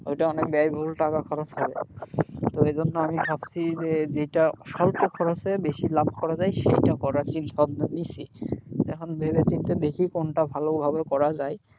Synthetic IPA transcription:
o̰jʈaɔnek̚bɛajbʱulʈakakʰɔɾosɦɔbḛt̪oed͡ʑʱonːoamibʱabt͡ɕʰid͡ʑed͡ʑejʈaɔʃɔlt̪okʰɔɾosebeʃilab̚ʱkɔɾad͡ʑajʃejʈakɔɾat͡ɕint̪ʰɔbnnisʰiɛ̰kʰonbʱebet͡ɕint̪ed̪ekʰikonʈabʱalobʱabekɔɾad͡ʑaj

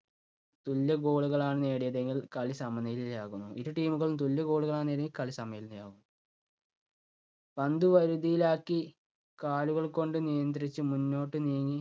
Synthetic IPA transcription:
t̪ulːɐɡo̞ːɭuɣɐɭaːɳɨneːɽijɐðe̞ŋɡilkɐɭisɐmɐnɐjililaːɣunːuʔiɾuʈiːmuɣɐɭumt̪ulːɐɡo̞ːɭuɣɐɭaːɳneːɾeŋɡilkɐɭisɐmɐjɐlnijaːɣunːu | pɐnd̪uʋɐɾuðijilaːkːi | kaːluɣɐɭko̞ɳɖɨnijɐnd̪rit͡ɕːɨmunːo̞ːʈːɨniːŋːi

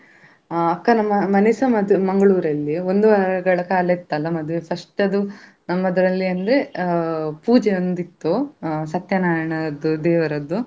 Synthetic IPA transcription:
ɐkːɐnɐmːɐmɐnisɐmɐd̪mɐŋɡɐɭuːɾɐlːiond̪uʋɐɾɐɡɐɭɐkaːlɐit̪ːɐlʋɐmɐd̪uʋepʰɐʂʈɐd̪u | nɐmːɐd̪ɐɾɐlːiɐnd̪ɾe | puːd͡ʒeond̪it̪ːusɐt̪jɐnaːjɐɳɐd̪ud̪ɛːʋɐɾɐd̪ːu

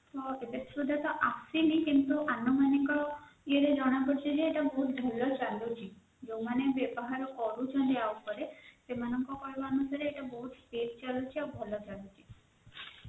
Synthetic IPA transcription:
tɔet̪esɾud̪ʱat̪ɔʔasinikint̪uʔanːɔmaniŋkɔieɾed͡ʒɔɽ̃akoɾt͡ʃʰid͡ʒeːʈabɔɦut̪bʱɔlːɔt͡ʃalut͡ʃʰi | d͡ʒõmanebebɔɦaɾɔkɔɾut͡ʃʰɔnɖeaupɔɾesemanɔŋkɔkɔjbanusaɾeːʈabɔɦut̪peɾt͡ʃalut͡ʃʰiawbʱɔlɔt͡ʃalut͡ʃʰi̥

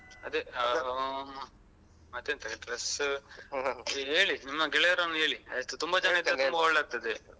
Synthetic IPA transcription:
ɐd̪e | mɐd̪eːnt̪ɐʈɾɐs | ɦeːɭinimːɐɡɛɭeɐɾoːneːɭiɐest̪ːut̪umbɐt͡ʃɐnɐt̪ːt̪umbɐɔɭːeaːɡ̚t̪ɐd̪e

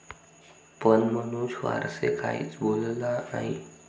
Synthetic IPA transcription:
pənmənuːɕʋa̰ɾsekʰait͡sbollaaɦi

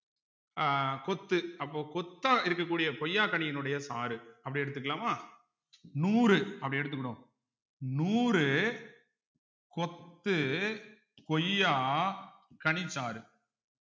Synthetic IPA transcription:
kɔt̪ːɯɐpːoːkɔt̪ːaːɪɾɯkːɐkːuːɽɪjɐkɔjːaːkɐɳɪjɐnɯɽɐjɐsaːɾɯɐpːɐɽɪɛɽɯt̪̬ːɯkːɐlaːmaː | nuːɾɯɐpːɐɽɪɛɽɯt̪ːɯkːɐɽõː | nuːɾɯ | kɔt̪ːɯ | kɔjːaː | kɐɳɪt͡ʃːaːɾɯ

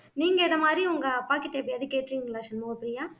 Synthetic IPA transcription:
niːŋɡɐɪðɐmaːd̪ɾiʊŋɡɐpaːkɪt̪eːpɾiɐðɯkːeːʈːɾiːŋɡɐɾɐlaːʂɐnmoːɐpːɯɽɪjaː

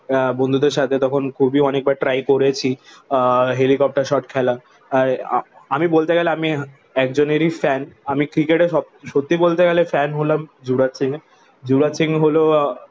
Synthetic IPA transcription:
bond̪ʱud̪eɾʃat̪ʰet̪ɔkʰonkʰubiɔnek̚baɾʈɾajkoɾet͡ɕʰi | ɦelikɔp̚ʈaɾʃɔʈkʰɛlaː | ɾamibolt̪eɡɛleami | ɛk̚d͡ʑoneɾifɛnamikɾikeʈeʃɔb̚ | ʃot̪ːibolt̪eɡɛlefɛnɦolamd͡ʑuɾat͡ɕiŋe | d͡ʑuɾat͡ɕiŋɦolo

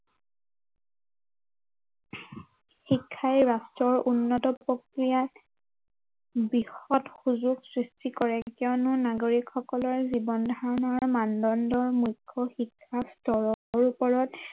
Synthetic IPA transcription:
xikʰːajɹastɹɔɹunːɔtɔpɹokɹijat | bixɔtxuzuɡsɹistikɔɹɛkɔwnʊnaɡoɹikxɔkɔlɔɹzibɔndʱaɹɔnɔɹmandɔndɔɹmujkʰːɔxikʰːastɔɹɔɹupɔɹɔt

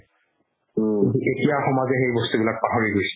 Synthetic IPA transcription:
etijaxɔmazɛxejbɔst̪ubilak̚paɦoɹiɡojs

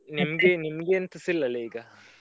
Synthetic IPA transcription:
nimɐɡenimɐɡeːnt̪ɐsilːɐlːeiːɡɐ

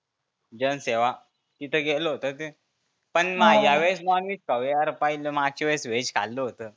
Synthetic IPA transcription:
d͡ʑənseʋa | t̪it̪ʰəɡeləɦot̪ət̪e | pəɳmajaʋesnɔnʋit͡ɕkəwjeaɾpailəmaɡ̚t͡ɕiʋesʋet͡ɕkʰa̰lːəɦot̪əː

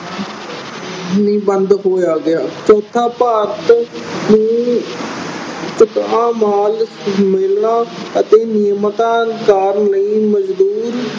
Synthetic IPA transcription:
nĩːbənd̪ɦoːjaːɡɪaːt͡ʃɔːt̪ʰːaːpaːɾt̪nũː | t͡ʃɪt̪ãːmaːl | mɪːlnãːət̪eːnɪjmt̪ãːkaːɾləĩːməd͡ʒd̪uːɾ

